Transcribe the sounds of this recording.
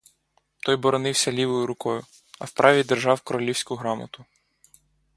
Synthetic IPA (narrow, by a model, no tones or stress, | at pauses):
t̪ɔjbɔɾɔnɪwsʲɐlʲiʋɔjʊɾʊkɔjʊ | ɐ̰wpɾʔɑʋʲid̪erʒɑwkɔɾɔlʲiwsʲkʊɦɾɑmɐt̪ʊ